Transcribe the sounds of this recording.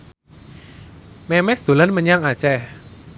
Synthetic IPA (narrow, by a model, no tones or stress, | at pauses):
mɛmɛsd̪̥o̤lanməɲaŋat͡ʃɛ